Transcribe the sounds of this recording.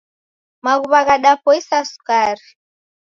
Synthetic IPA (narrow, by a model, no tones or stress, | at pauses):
maɣuβaɣaɗapɔisasu̥kaɾi